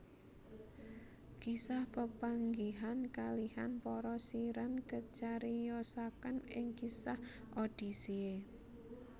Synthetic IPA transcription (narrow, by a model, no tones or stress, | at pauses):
kisahpəpaŋɡiɦankalihanpɔɾɔsiɾankət͡ʃaɾijɔsakanɪ̰ŋkisah | ʔod̥i̤sie